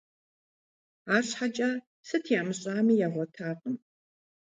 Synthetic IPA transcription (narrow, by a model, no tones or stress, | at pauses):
aːɕħat͡ʃʼɐ | sɐtʰjaːmɨɕʼaːmijaːʁʷɔtʰaːqəm